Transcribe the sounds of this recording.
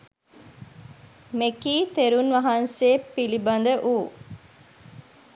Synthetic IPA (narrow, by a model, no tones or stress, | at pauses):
mekiːt̪eɾunʋɐɦɐnseːpːilibɐnd̪əʔuː